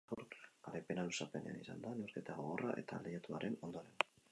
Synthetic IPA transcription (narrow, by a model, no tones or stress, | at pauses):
oɾaɾepe̞nalusape̞nḛa̰nisand̪anewɾket̪aɣo̞ɣo̞raʔe̞̰t̪alejat̪uaɾʔe̞no̞nd̪o̞ɾe̞n